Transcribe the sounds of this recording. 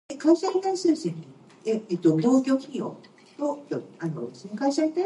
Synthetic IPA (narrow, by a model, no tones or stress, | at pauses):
ekaiɕait̪aisɨːsẽni | eet̪ːonoːkʲo̞ːçio̰ː | t̪ot̪oano̰sekaiɕait̪a